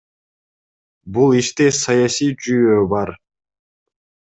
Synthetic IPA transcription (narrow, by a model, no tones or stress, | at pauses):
bulˠiʃt̪esɑjɑsijd͡ʒyjøːbɑɾ